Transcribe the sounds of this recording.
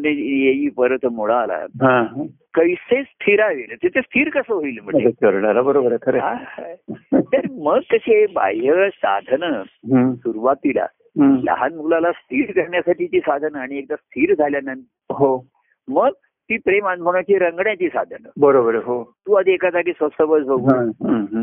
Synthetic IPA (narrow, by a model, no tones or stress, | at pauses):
nijejiːpəɾət̪ʰmoɭaːla̰ɦãkəjsest̪ʰiɾaʋelt̪et͡sest̪ʰiːɾkəsəɦoiːlm̤əekəɾɳalabəɾobəɾəkʰəɾeɦã | t̪əɾməɡ̚t̪əɕeba̰jjəsa̰d̪ʱnəɦsuɾuʋat̪ːila̰ | ɦlə̰ɦanm̤əɡlalast̪ʰiːɾkəɾɳjasaʈiːt͡ɕiːsad̪ʱənəaɽ̃iek̚d̪ast̪ʰiːɾd͡zʱaljanan | ɦo | məɡ̚ | t̪iːpɾemanmʱəɽ̃at͡ɕiːɾəŋɡɳjãt͡ɕiːsa̰d̪ʱənəbəɾobəɾəɦot̪uad̪ʱiekat̪akisʋəsəʋət͡sbəɡuɦɦ